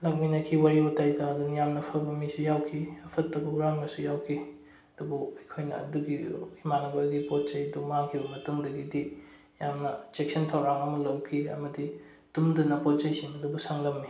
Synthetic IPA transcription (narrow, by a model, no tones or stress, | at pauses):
lɐk̚minɐkʰiwaɾibɐtajtʰaɐdunjamnɐpʰɐbɐmisujawkʰiɐpʰɐtːɐbuɡɾaŋmɐsujawkʰi | ɐdubuɐjkʰojnɐ̰ɐ̰duɡiimanɐbaɡipot̚t͡ʃɐjɐdumaŋkʰibɐmɐtuŋdɐɡidi | jamnɐt͡ʃek̚sɐntʰawɾaŋɐmɐlɐwkʰiɐ̰mɐdi | d̥umdɐnɐpot̚t͡ʃɐjsiŋɐdubusaŋlɐmːi